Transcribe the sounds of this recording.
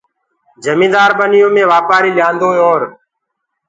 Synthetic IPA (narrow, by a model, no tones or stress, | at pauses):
d͡ʒəmĩːd̪aːɾbənɪjõːmẽːʋaːpaːɾiːlɪjãːnd̪õːoːɾ